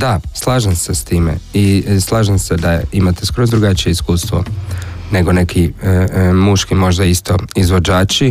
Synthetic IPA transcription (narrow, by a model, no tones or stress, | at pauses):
d̪aslˠaːʒemsest̪iːme̞̰islˠaːʒemsed̪aimat̪e̞̥skoɾod̪ɾuɡat͡ʃije̞iskuːst̪ʋo̞̰ne̞ɡo̞ne̞kʰi | muʃkimo̞ʒd̪aist̪o̞izʋo̞d͡ʑaːt͡ʃi